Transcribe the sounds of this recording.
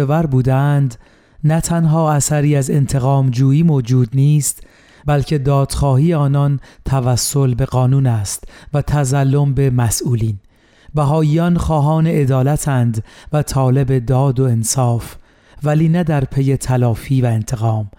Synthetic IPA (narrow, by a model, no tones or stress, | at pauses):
evæɾbuːd̪eænd̪ | næt̪ʰænɦɒːæsæɾiːæze̞nt̪ʰe̞ɣɒːmd͡ʒuːiːmod͡ʒuːd̪niːst̪ | bælcʰe̞d̪ɒːd̪̥xɒːhiːeɒːnɒnt̪ʰævæsːo̞lbe̞ɣɒːnuːnæst̪væt̪ʰæzælːo̞mbe̞mæsʔuːliːn | bæɦɒːjiːɒnxɒːɦɒːne̞ed̪ɒːlæt̪ʰænd̪væt̪ʰɒːle̞be̞d̪ɒːd̪o̞ensɒːf | væliːnæd̪æɾpʰe̞je̞t̪ʰælɒːfiːvæe̞nt̪ʰe̞ɣɒːm